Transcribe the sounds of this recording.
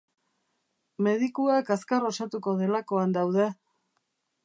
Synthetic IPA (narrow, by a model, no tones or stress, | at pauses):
me̞ðikuakaskaro̞sat̪uko̞ð̞e̞lako̞and̪awðe̞